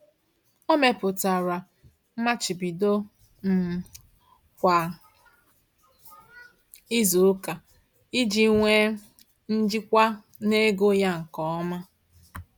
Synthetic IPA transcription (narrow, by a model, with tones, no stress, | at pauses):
o˦me˨pʊ˨ta˨ɾa˨˦ | ma˦t͡ʃi˨bi˨do˦ | m̩˨ | kʷa˨ | i˦zu˨ʊ˦ka˨ | i˦d͡ʒi˦ŋʷe˦ | n̩˦d͡ʒɪ˦kʷa˦ | ne˦ɡo˦ja˦ŋ̩˨kɔ˦ɔ˦ma˦